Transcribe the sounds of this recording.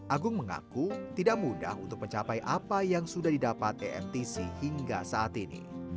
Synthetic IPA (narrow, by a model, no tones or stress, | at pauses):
ʔaɡʊŋməŋa̰kut̪idak̚muda̰ɦunt̪ʊkməɲt͡ʃapajʔapajaŋsudahdidapat̪̚eʔɛ̰mt̪isihiŋɡasaːt̪inḭ